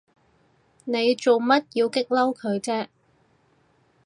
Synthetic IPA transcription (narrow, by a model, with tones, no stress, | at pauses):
ne˨˧jt͡so˨wmɐ˥t̚jiː˨˧wkɪ˥k̚lɐ˥wkʰɵ˨˧ɥt͡sɛː˥